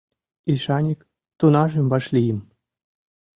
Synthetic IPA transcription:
iʃɑnʲik | t̪unɑʒĕmbɑʃlʲijəm

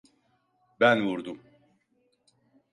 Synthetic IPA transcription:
bænvuɾd̪um

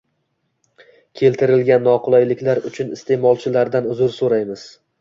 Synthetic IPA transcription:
kʲʰe̞lt̪ʰɪɾɪlɡʲanːɒqʰʊlˠajlɪkʲlaɾʊt͡ʃʰʊnɪst̪ʰe̞mɒlˠt͡ʃʰɪlaɾd̪anʊzʊɾsoɾajmɪz̥

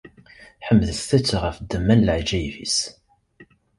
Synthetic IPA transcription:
ħəmːðəsθæt͡sːʁəfd̪ːəmːænləʕd͡ʒæjvḭs

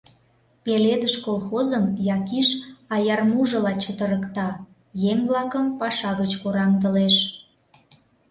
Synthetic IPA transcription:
peled̪əʃkolxozəmjɑkiʃɑjɑrmuʒə̆lɑt͡ɕət̪əɾəkt̪ɑ | jeŋβlɑkəmpɑʃɑɣət͡ɕkoɾɑŋt̪əleʃ

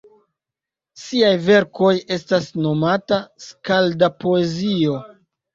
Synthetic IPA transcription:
siajve̞ɾko̞je̞stasno̞mataskaldapo̞e̞zio̞

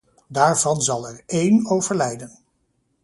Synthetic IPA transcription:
daːɹv̥ɑnzɑlˠɛɹejnowvəɹlɛjdən

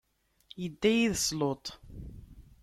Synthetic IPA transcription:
jəd̪ːæjiðəslot̪ˤ

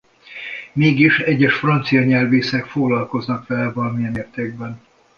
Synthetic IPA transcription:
meːɡiʃɛɟːɛʃfrɒnt̪sijɒɲɛlveːsɛkfoɡlɒlko̞znɒkʋɛlɛvɒlɒmijɛneːrt̪eːɡ̚bɛn

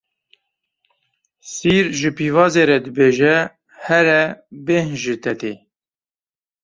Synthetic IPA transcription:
siːɾʒɨpiːvɑːzeːɾɛd̪ɨbeːʒɛ | hɛɾɛbeɦʒɨt̪ʰɛt̪e

